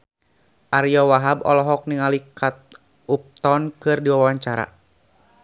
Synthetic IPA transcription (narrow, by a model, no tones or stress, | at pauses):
ʔaɾiɔwaɦabɔ̰lɔɦɔk̚niŋalikat̪̚ | up̚t̪ɔnkɨrdiwawaɲt͡ʃaɾa̰